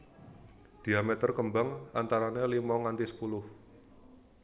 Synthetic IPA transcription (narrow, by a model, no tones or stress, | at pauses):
d̪̥i̤amɛt̪ərkəmbaŋant̪aɾanelimɔŋant̪isə̥pulʊh